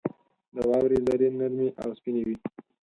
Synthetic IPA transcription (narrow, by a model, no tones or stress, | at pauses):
d̪əwɑwɾizaɾinaɾmiʔa̰wspinewi